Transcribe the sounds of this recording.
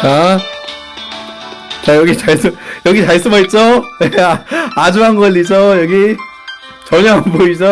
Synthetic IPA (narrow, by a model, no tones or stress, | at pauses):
a | t͡ɕajʌɡit͡ɕaɭs͈ɯmjʌɡit͡ɕajs͈ɯmʌit̚t͡ɕ͈onead͡ʑuanɡʌlːisʌjʌɡi | t͡ɕʌɲʌnpoisʌ